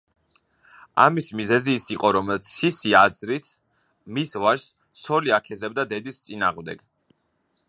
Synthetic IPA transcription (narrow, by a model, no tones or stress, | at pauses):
a̰mismizɛziːsiqʼɔɾɔmɛt̪sʰisiazɾit̪ʰ | misvaʃs | sɔliakʰɛzɛb̚d̪ad̪ɛd̪ist̪sʼina̰ːʁmd̪ɛ̰ɡ̥